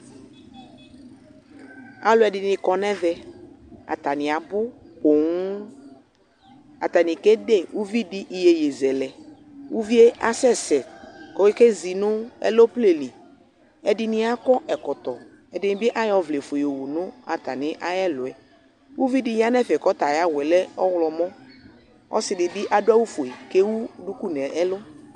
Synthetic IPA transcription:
a˨lʊ˨˦ɛ˨ɖɪ˨nɪ̃˨kɔ˨nɛ̃˦vɛ˦ | a̰˨t̪a˨nɪ̃˨a˨bʊ˦ko˨ŋu˦ | a̰˨t̪a˨nĩ˨ke˦de˦˨wu˦vi˦di˦ʔi˨je˨je˨zɛ˨lɛ˨ | wu˦vi˦e˦ʔa˦sɛ˦sɛ˨kɔ˨we˦ke˦zi˨nʊ̃˦ɛ̰˦lo˦ple˨li˨ | ɛ˨dɪ˦nɪ˦a˦kɔ˦ʔɛ˨kɔ˨t̪ɔ˨ | ɛ˨dɪ˨˦nɪ˦bɪ˦ʔa˦jɔ˨vle˨fo˨jo˨wu˨nʊ̃˦a˨t̪a̰˨nɪ̃˨˦ʔa˦jɛ˦lʊ˨ɛ˨ | wu˦vi˦di˦ja˦nɛ˦˨fɛ˨kɔ˦t̪a˨ja˦wɛ˨lɛ˦ɔ˦wlɔ˨mɔ̃˦ | ɔ̰˦sɪ˨dɪ˨dɪ˦ʔa˨dʊ˦a˦wu˦fo˨i˨ke˦wu˦du˦ku˦nɛ̃˨ʔɛ˦lo˦

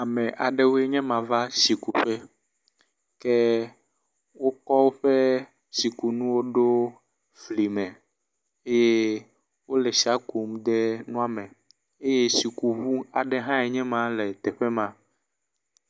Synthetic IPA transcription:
a˨mɛ̃˨ʔa˨ɖɛ˦wo˦e˦ɲɛ̃˦mã˨va˦si˨ku˨ɸɛ˦ | kɛ˦ | wo˦kɔ˦wo˦ɸe˦ | si˨ku˨nũ˦wo˦ɖo˦ | fli˨mɛ̃˨ | e˦je˦ | wo˦lɛ˨si˨a˦ku˨m˦d̪ɛ˦nũ˦a˦˨mɛ̃˨ | e˦je˦si˨ku˨βu˦a˨ɖɛ˦ɦã˦ɛ˨ɲɛ̃˦mã˦lɛ˨t̪ɛ˨ɸɛ˦mã˦

